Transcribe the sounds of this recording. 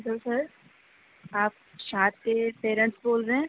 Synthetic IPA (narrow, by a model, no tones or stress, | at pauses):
d̪əlsəɾ | aːp̚ʃaːt̪̚kepeːɾə̃ɳʈsboːlzẽː